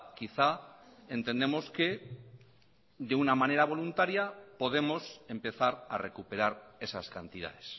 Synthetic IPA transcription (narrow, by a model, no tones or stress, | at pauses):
kiθae̞nt̪e̞nd̪e̞mo̞ske̞ | ðeunamane̞ɾaβ̞o̞lunt̪aɾjapo̞ðe̞mo̞se̞mpe̞θaɾa̰re̞kupe̞ɾaɾe̞saskant̪ið̞a̰ðe̞s